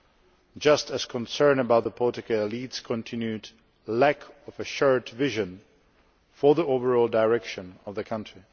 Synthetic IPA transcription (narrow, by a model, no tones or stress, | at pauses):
d͡ʒʌstɨz̥kʰə̃nsɜ̃˞nəbaʊt̪̚ðəpʰɔtɨkəəlitskʰɔ̃ntʰɪ̃njʉd | lækʰɔvɨʃɔɹtvɪʒɨ̃n | fə˞ðioʊvə˞ɔlˠdaɪɹɛkʃɨ̃nɔvðɨkʰʌ̃ntʰɹ̥i